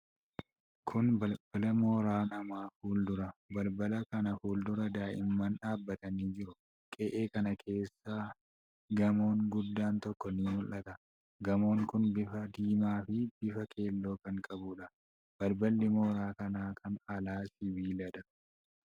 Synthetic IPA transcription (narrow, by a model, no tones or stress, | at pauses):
kʰʊnbɐlbɐlɐmoːɾaːnɐmaːfuːld̪ʊɾɐbɐlbɐlɐkɐnɐfuːld̪ʊɾɐd̪aːʔɪmːɐnᶑaːbːɐt̪ɐniːd͡ʒɪɾʊ | kʼeːʔe̞ːkɐnɐkʰe̞ːsːaː | ɡɐmo̞ːŋɡʊd̪ːaːnt̪ɔkːɔnɪːmʊlːɐt̪ɐ | ɡɐmo̞ːŋkʊnbɪfɐd̪iːmaːfɪb̥ɪfɐkʰe̞ːlːo̞ːkɐŋkʼɐbʊᶑɐ | b̥ɐlbɐlːɪmoːɾaːkɐnaːkʰɐnɐlaːsɪbiːlɐᶑɐ